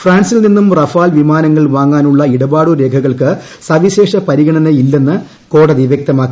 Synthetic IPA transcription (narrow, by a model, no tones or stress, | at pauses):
fraːnsilninːumrɐfaːlʋimaːnɐŋːɐɭʋaːŋːaːnuɭːɐiɽɐbaːɽuɾe̞ːkʰɐɣɐɭkɨ | sɐʋiɕe̞ːʂɐpɐɾiɣɐɳɐnɐilːe̞nːɨ | ko̞ːɽɐðiʋjek̚t̪ɐmaːkːi